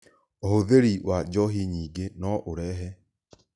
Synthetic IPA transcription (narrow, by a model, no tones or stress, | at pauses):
ohoðeɾiwʔad͡ʒɔɦiɲiːɡenɔʔoɾɛːɦɛ